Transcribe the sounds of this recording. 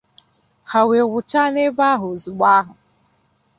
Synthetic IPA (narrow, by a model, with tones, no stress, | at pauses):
ha˨we˨wʊ˨t͡ʃa˦ne˦ba˦ɦʊ˨zu˨ɡ͡ba˦ɦʊ˨